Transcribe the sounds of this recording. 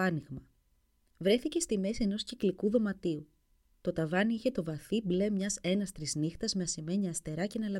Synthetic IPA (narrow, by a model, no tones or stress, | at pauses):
ɐniɣmɐ | vɾe̞θice̞st̪ime̞sie̞no̞sciklikuðo̞mɐt̪iu | t̪o̞t̪ɐvɐniiçe̞t̪o̞vɐθible̞mɲɐse̞nɐst̪ɾiznixt̪ɐzmeɐsime̞ɲiɐst̪e̞ɾɐce̞nɐlɐ